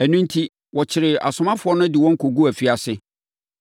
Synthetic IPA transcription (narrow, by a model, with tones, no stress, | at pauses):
æ˨nũ˦ntʰi˦ | wɔ˨t͡ɕʰɪ˨ɾɪ˨a̰˨sʊ˨mã˦fʊ˨˦ɔ˦nʊ̃˦dɪ˨wɔ̃˦ŋ̩˦kʰo˨ɡu˦æ˨fi˦a˨sɪ˦